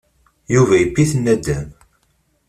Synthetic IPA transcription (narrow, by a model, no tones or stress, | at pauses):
juvæjəpːiθənːæd̪æm